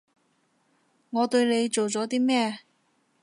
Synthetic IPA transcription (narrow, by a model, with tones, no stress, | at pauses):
ŋɔː˨˧t̪ɵ˧ɥne˨˧jt͡so˨wt͡sɔː˨˥t̪iː˥mɛː˥˧